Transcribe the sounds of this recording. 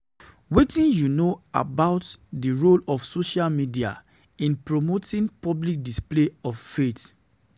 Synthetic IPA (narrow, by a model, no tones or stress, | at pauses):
wetĩnjunoa̰baʊtdiɹolɔfsoʃalmidia̰ | ĩnpɹomotĩnpɔblik̚displeɔffet